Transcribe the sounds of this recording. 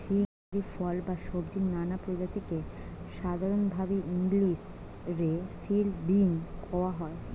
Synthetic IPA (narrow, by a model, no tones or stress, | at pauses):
ʃiaɾifɔlbaʃobd͡ʑiknanapɾod͡ʑat̪ike | ʃad̪ʱaɾonbʱabiiŋɡliʃ | ɾefilbiŋkɔoaɦɔe